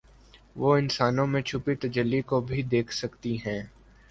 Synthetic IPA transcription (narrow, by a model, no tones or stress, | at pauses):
ʋoːɪnsaːnõmẽt͡ʃʰʊpit̪ɐd͡ʒəlːikobʱid̪eːkʰsɐkt̪iɦɛ̃ː